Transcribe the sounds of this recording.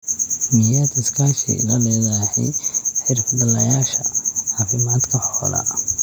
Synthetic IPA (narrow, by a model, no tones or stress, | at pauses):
mɪjaːd̪ɪskʰaːʃḭlɐlɛɣaħɪ̰ħɪɾfbɐlɐjaːʃɐ̰ʕaːfɪmaːd̪kʰɐħɔːlɐ̰